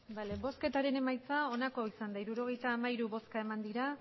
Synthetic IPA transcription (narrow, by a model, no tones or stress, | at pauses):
balebo̞ske̞t̪aɾe̞ne̞majt͡sao̞nako̞isand̪aiɾuɾo̞ɣe̞jt̪aːmaiɾuβo̞skae̞mand̪iɾa